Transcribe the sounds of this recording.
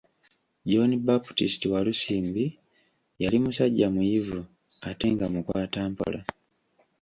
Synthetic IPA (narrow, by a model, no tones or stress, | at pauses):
ɟoːnibaputistiwalusiːmbi | jalimusaɟːamujivu | ate̞ŋɡamukwaːtaːmpo̰la